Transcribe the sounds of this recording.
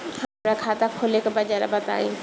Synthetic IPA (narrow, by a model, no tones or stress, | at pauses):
hɐmɾakʰat̪akʰolekebɐd͡ʒaɾa̰bɐt̪a̰ːĩ